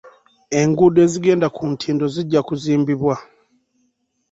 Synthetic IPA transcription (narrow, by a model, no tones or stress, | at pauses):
e̞ŋɡuːde̞ːziɡe̞ːndakuntʰiːndo̞ziɟːakuziːmbiβwa